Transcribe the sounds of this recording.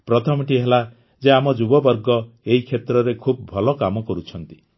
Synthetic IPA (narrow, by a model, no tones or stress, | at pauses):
pɾɔt̪ʰɔmiʈiɦela | d͡ʒeamɔd͡ʒubɔbɔɾɡɔeɦikʰet̪ɾɔɾekʰub̚bʱɔlɔkamɔkɔɾut͡ʃʰɔnt̪i̥